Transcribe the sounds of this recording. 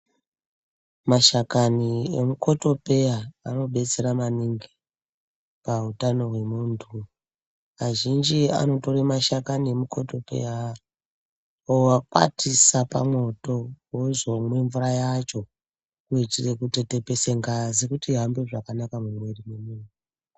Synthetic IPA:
maʃakaniemuko̞to̞pe̞jaano̞ɓe̞t͡se̞ɾamaniŋɡi | pautano̞ɦwe̞muːntʰu | aʒind͡ʒia̰no̞to̞ɾemaʃakaniemukʰo̞to̞pe̞̰ja | owakwa̰tʰisapa̰mwo̞to̞wozomwe̞ɱvurajat͡ʃo̞ | kuit͡ʃirekutete̞peseŋɡazikutiɦambeʐakanakamumwe̞rimemuːntu

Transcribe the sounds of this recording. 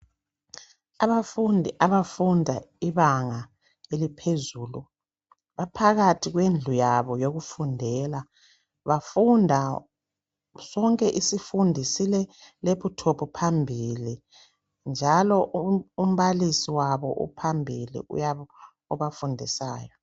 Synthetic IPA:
aβafundʱiʔaβafundʱaiβaŋa | elipʰezuːlu | βapʰaɣatʰiɣwend͡ɮʱujaβɔjoɣufundʱɛːla | βafundʱa | sɔŋkʼɛʔisifundʱisilɛleputʰopʰupʰambʱili | nd͡ʒʱalɔʔum̩βalisiwaβɔ̰ʔṵpʰambʱilḭʔṵja | ɔβafundʱisa̰ːjɔ

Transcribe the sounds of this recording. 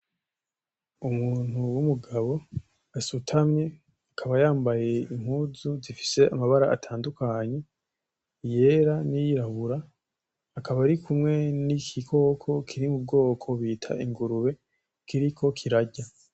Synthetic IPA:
umuːn̥huwumuɡaβo̞ | asutʰamɲe̞ | akʰaβajaːmbaje̞im̥huːzzuzifi̥se̞ʔamaβaɾaa̰tʰaːndukaɲe̞ | je̞ɾanijiɾaβuɾaː | kaβaɾikʰumŋe̞nikʰikʰo̞kʰo̞kʰiɾimub̚ɡo̞ːkʰo̞βiːtʰa̰ʔiŋɡuɾuβe̞ | kiɾikʰo̞kʰiɾaɟa

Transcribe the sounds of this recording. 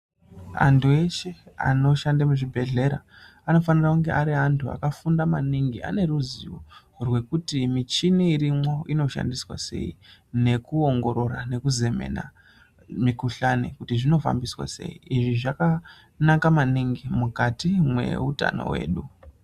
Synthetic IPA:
a̰ntʰue̞ʃea̰no̞ʃandamuʐibʱe̞ɮe̞ɾa | ano̞fanirauŋɡe̞ʔaɾiɦantʰua̰kafundamaniŋɡia̰ne̞ɾuziwo | rwe̞kutimit͡ʃiniːɾimwo̞ino̞ʃa̰ndiswa̰se̞̰ine̞kuo̞ŋɡo̞ɾo̞ɾa̰ne̞kuze̞me̞̰na̰ | mikuɬanḛkutiʐino̞fa̰mbiswa̰se̞̰ḭiʐiʐaka | nakamaniŋɡimukatimwe̞̰uta̰no̞̰we̞̰ːɗu

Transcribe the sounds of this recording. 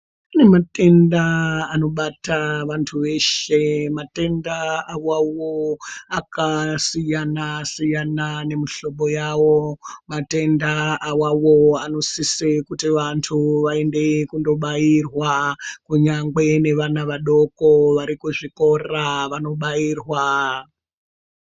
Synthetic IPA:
ane̞mate̞ndaːno̞ɓataʋantʰuʋe̞ʃe̞mate̞ndaawawoakasijanasijanane̞miɬo̞ɓo̞jawo̞mate̞ndaːwawo̞ano̞sisekutiʋantʰuʋae̞nde̞kundo̞ɓajirwakuɲaŋɡe̞ne̞ʋanaʋaɗo̞koʋaɾikuʐiko̞raʋano̞ɓajiːrwa

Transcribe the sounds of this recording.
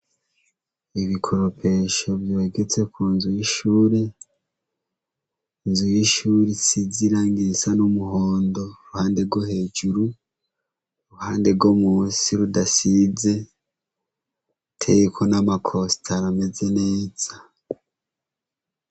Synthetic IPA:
iβikʰoɾopʰe̞ʃo̞bjoeɡe̞t͡se̞kʰuːnzujiʃuːɾe | inzujiʃuːɾisiziɾaːŋɡisanumuhoːndo̞uɾuhaːnde̞bɡohe̞ːd͡ʒuɾu | uɾuhaːnde̞bɡomuːnsiɾudasize̞ | tʰejekʰo̞namakʰo̞stʰaɾame̞ze̞ne̞ːz̥a

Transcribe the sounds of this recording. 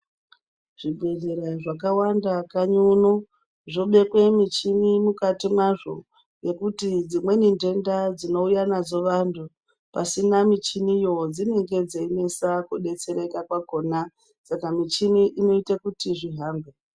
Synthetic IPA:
ʐ̥ibʱe̞ɮeɾaʐakawandakaɲunu | ʐo̞ɓe̞kwe̞mit͡ʃimimukatimwaʐo̞̰ | je̞kutid͡zimwe̞ninde̞ndad͡zino̞ujanad͡zo̞ʋantʰu | pasinamit͡ʃinijo̞d͡zine̞ŋɡe̞d͡zeine̞sakuɗe̞t͡se̞ɾe̞kakwako̞na | sakamit͡ʃimiʔino̞itakutiʐiɦaːmbe

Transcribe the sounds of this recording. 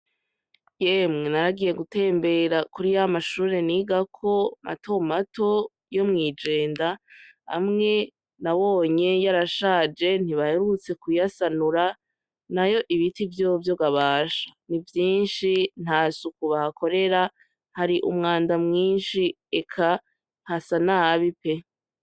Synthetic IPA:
jemŋenaɾaɡije̞ɡute̞ːmbe̞ɾakuɾijamaʃuːɾe̞niɡakʰo̞ma̰tʰo̞mato̞ | jo̞mŋiːd͡ʒe̞ːndaha̰mŋe̞ | naβo̞ːɲe̞jaɾaʃaːd͡ʒe̞n̥iβahe̞ɾut͡se̞kujasanuɾa | najo̞ʔiβitivjoːvjoɡaβaːʃḁnivjiːnʃin̥haːsukuβahako̞ɾe̞ɾa | haɾiʔṵmŋaːndamŋiːnʃi | ekʰa | hasanaaβipe̞

